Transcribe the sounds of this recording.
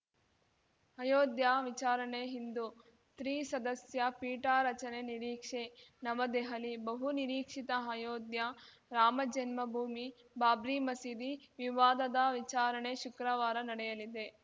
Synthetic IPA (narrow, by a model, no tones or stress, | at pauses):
hɐjoːd̪jaːʋit͡ʃaːɾɐɳeɦind̪u | t̪ɾiːsɐd̪ɐsjɐpiːʈaːɾɐt͡ʃɐneniɾiːkʂenɐʋɐd̪eɦɐlibɐɦuniɾiːkʂit̪ɐɦɐjoːd̪jɐ | ɾaːmɐd͡ʒɐnmɐbʱuːmi | baːbɾiːmɐsiːd̪iʋiʋaːd̪ɐd̪ɐʋit͡ʃaːɾɐɳeʃukɾɐʋaːɾɐnɐɽɛjɐlid̪e̞